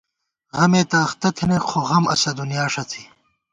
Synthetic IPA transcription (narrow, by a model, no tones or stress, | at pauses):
ɣɐmeːt̪aːxt̪ɐt̪ʰinexʰoɣɐmɐ̰sɐd̪unjaːʂɐt͡s̪ʰi̥